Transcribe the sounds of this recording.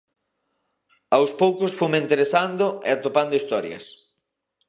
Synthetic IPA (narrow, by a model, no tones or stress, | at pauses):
awspowkʊsfumẽnt̪eɾesand̪ʊḛat̪opand̪ʊist̪ɔɾjɐ̰s